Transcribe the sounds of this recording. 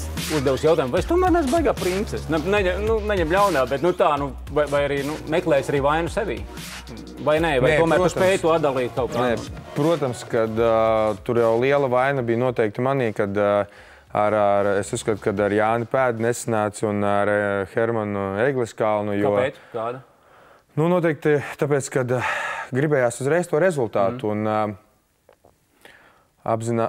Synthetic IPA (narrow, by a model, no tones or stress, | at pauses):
uzd̪ɛvusjawt̪aːjumvajest̪uɔmæːɾnɛzbajɡaːpɾint̪sɛsnɛnɛɲɛnunɛɲɛmlʲawnaːbɛt̪nut̪aːnu | vajvajaɾiːnumɛklˠɛːjsaɾiːvajnuseʋḭː | vajnɛvajt̪uɔmæɾuspɛːjt̪uɔat̪d̪alˠiːt̪̚ʲkawkːnɛpɾuɔt̪amskad̪t̪uɾjawlˠiɛlˠɐʋajnabiːjnuɔt̪ɛjk̚t̪maniːkad̪ | a̰ɾaɾesuskat̪u̥kad̪aɾjaːnɪpæːd̪nesanæːt̪sunaɾxɛɾmanuɛɡlˠiskaːlˠnujuɔesk̪aːd̪ | nunuɔt̪̬ɛːk̚t̪it̪ap̬eːt̪skad̪ɡɾibɛːjaːsuzɾɛjst̪uɔɾezulˠt̪aːt̪uːn | a̰bzina